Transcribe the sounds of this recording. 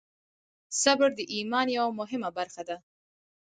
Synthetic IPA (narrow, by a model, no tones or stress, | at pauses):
sabəɾd̪əʔimɑnjawamʊɦɪmabaɾxad̪a